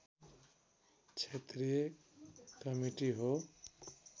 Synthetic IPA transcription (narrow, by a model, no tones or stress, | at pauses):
t͡ʃʰet̪ɾije | kəmiʈiɦo